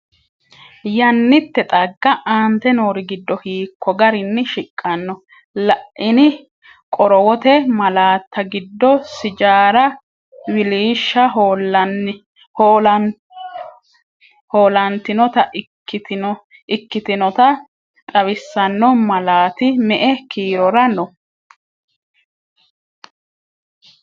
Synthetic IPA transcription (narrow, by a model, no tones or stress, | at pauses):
jɐnːɪt̪ːɛt̪ʼɐɡːɐʔaːnt̪ɛnoːɾɪɡɪd̪ːɔhiːkːɔɡɐɾɪnːɪʃɪkʼːɐnːɔ | lɐʔʔɪnɪ | kʼɔɾɔwɔt̪ɛmɐlaːt̪ʰːɐɡɪd̪ːɔsɪd͡ʒaːɾɐ | wɪliːʃːɐɦolɐn | hoːlɐnt̪ɪnɔt̪ɐʔ | ɪ | ʔɪkːɪt̪ɪnɔt̪ɐ | t̪ʼɐβɪsːɐnːɔmɐlaːt̪ɪmɛʔɛkʰiːɾɔɾɐnɔ